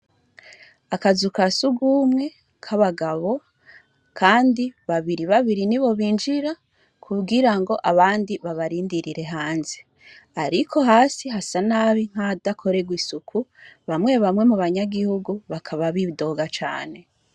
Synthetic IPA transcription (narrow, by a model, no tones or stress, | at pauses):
akazukasuɡumŋe̞ | kʰaβaɡaβo̞ | kʰaːndiβaβiɾiβaβiɾiniβo̞βiːnd͡ʒiɾa | kʰuɡiɾaŋɡo̞ʔaβaːndiβaβaɾiːndiɾiɾe̞ɦaːnze | aɾikʰo̞ɦaːsiɦasanaːβiŋ̥hadakʰo̞ɾe̞ɡwisukʰuβamŋe̞βamŋe̞muβaɲaɡihuɡuβakʰaβaβiːdo̞ɡat͡ʃa̰ːne̞